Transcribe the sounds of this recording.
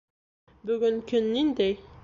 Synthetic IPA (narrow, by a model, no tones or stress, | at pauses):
bɵ̆ɡɵŋkɵnːind̪æj